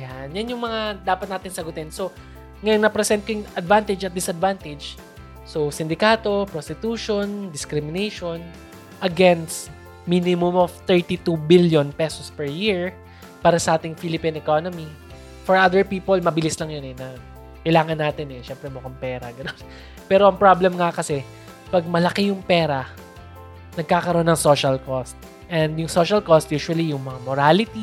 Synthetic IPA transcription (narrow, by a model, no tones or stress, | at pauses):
ɐjanjanjʊŋmɐŋad̪aːpɐt̪̚naːt̪ɪnsɐɡʊt̪ɪnso̞ | ŋɐjonnɐpɾɛsɛnt̪̚kojʊŋɐd̪vant̪ɪd͡ʒɐt̪̚d̪ɪsɐd̪vant̪ɪd͡ʒ | sosɪnd̪ɪkaːt̪o̞pɾost̪ɪt̪uːʃond̪ɪskɾɪmɪnejʃon | ʔɐɡɛnst̪ | minɪmʊmoft̪ɛɹt̪it̪ubiljonpɛsospɛɹjiɹ | paːɾɐsɐʔaːt̪ɪŋfilɪpinɛkonomi | fɔɹʔad̪ɛɹpiːpolmɐbɪlɪslɐŋjonɛnɐ | kɐjlaːŋɐnːaːt̪ɪnɛʃɛmpɾɛmʊkɐŋpɛːɾɐɡɐnon | pɛːɾoʔɐŋpɹablɛmŋakɐsɛ | pɐɡ̚mɐlɐkɛjʊŋpɛːɾɐ | nɐɡ̚kaːkɐɾoʔonːɐŋsoːʃɐlkost̪̚ | ʔɛnd̪jʊŋsoʃɐlkost̪̚juːʃwɐlijʊŋmɐŋamoɾalɪt̪i